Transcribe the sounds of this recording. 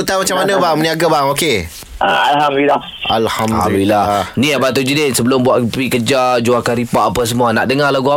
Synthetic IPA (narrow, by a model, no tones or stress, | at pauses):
ut̪amat͡ʃamanəbaməniaɡabaŋoke | ʔa̰alɦamdulilːa | alhamd̪udilaniabat̪ud͡ʒudensəbəlʊmbuaʔpikəd͡ʒad͡ʒuakaɾipaʔːpas̬əmuana̰ʔdəŋalaɡua